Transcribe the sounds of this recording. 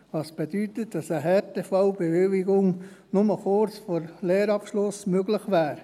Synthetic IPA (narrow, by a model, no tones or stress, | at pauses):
ʋɑːsb̥ed̥̪yt̪ətd̥ɑsəɦɛtefɑʊbeʋɪlɪɡʊŋ | nʊməχʊɾt͡sfɔɾleːɾɑpʃlʊsmøɡləχʋæːɾ